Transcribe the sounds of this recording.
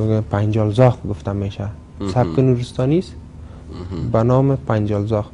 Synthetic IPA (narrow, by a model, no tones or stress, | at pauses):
pʰand͡ʒɒlzɒχɡʊft̪ameʃa | sab̚kɪnuɾɪst̪ɒːnis | banɔːmɪpʰand͡ʒɒlzɒχ